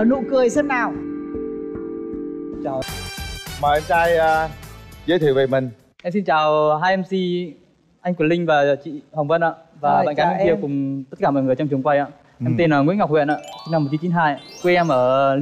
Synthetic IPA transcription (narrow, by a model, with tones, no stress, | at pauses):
əː˧˩nṵ˧˨kɨ˧əjsə˦˥t̚naː˨˩w | t͡ɕaː˨˩w | maː˨˩ʔɛ˧mt͡ɕaː˧jːzə̰˧˦t̪ʰe˧˨˩ve˨˩mï˨˩ŋ | ʔɛ˧msi˧nt͡ɕaː˨˩wɦaː˧jʔɛ˧msi˧ | ʔa˧ŋ̟kwi˧˩lï˧ŋ̟vaː˨˩˨t͡ɕḭ˧˨ha˨˩wŋ͡mvə˧nʔa̰ː˧˨vaː˨˩aa̰ː˧˨nkaː˨˧˦ɛ˧ki˧ə˧kʊ˨˩ŋ͡mt̪ə˦˥t̚kaː˧˩mɔ̰˧˨jŋɨ˨˩əjt͡ɕɔ˧ŋ͡mt͡ɕɨ˨˩ŋkwa˧jʔa̰ː˧˨ | ʔɛ˧t̪i˧nʔəː˧˩ŋḭ˥əŋa˨˩k͡p̚hḭ˧˨nʔa̰ː˧˨t͡ɕŋ͡mna˧mː˨˩t̚t͡ɕi˨˦t͡ɕi˨˦ɦaː˧ja˧kwe˧ʔɛ˧mʔəː˧˩